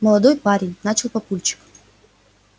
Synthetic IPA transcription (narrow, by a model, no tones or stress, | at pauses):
məlˠɐd̪ojpaɾʲɪnʲnat͡ɕɪlˠpɐpulʲt͡ɕɪ̥k